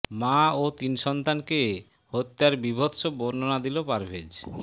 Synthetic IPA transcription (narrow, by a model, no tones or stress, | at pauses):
maot̪inʃɔnt̪anke | hot̪ːaɾbibʱot̪ʃoboɾnonad̪ilopaɾbʱed͡ʑ